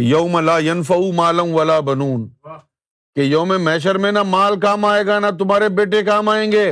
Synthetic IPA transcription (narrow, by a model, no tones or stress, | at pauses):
jɐːmɐlaːjɐnfɐumaːlɐnʋɐlaːbɐnuːn | kejoːmemɛːʃ̬əɾmẽnɐmaːlkaːmaːeːɡanɐt̪ʊmaːɾebeːʈekaːmaːẽːŋɡeː